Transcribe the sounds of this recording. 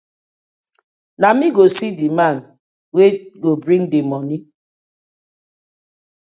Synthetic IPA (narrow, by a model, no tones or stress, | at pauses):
namiɡosidiman | weɡobɾiŋdemɔni